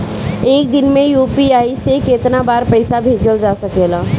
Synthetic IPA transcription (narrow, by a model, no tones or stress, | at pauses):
eːk̚d̪ɪnmẽjuːpiaːisekeːt̪nabaːɾpəɪsabʱeːd͡ʒəld͡ʒaːsəkelaː